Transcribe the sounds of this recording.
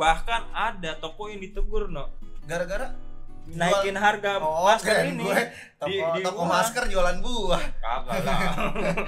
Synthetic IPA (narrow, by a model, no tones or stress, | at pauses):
bahkanadat̪okɔɪndit̪əɡʊrnɔʔɡaɾaɡaɾanaikɪnɦarɡamasəɾini | didit̪ɔkɔmaskərd͡ʒoalanbuakapala